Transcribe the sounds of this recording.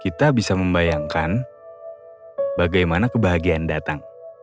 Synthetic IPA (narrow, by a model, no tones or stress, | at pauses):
kit̪abisaməmbajaŋkan | baɡajmanakəbaɦaɡiandat̪aŋ